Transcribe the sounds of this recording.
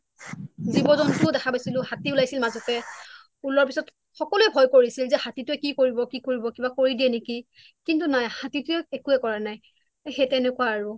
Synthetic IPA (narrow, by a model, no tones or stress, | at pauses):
zibɔzɔntʊdɛxʰabajsilʊ̃hatiulajsilmazɔtɛ | ulɔɹpisɔt | xɔkɔluɛbʱɔjkoɹisilzɛhatitʊɛkikoɹibɔkikoɹibɔkibakoɹidiɛneki | kintunajhatitʊɛekuɛkɔɹanaj | xetɛnɛkʊwaːɹʊ